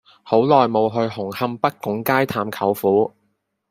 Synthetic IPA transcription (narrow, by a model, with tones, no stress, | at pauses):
ho˨˥wlɔː˨jmo˨˧wɦɵ˧ɥɦʊ˨˩ŋhɐ˧mpɐ˥t̚kʊ˨˥ŋkaː˥jt̪ʰaː˧mkʰɐ˨˥wfuː˨˥